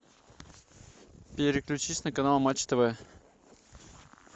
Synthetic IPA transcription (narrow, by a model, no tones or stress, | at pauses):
pʲɪɾʲɪklʲʉt͡ɕisʲnəkɐnalˠmat͡ɕːt̪əvɛ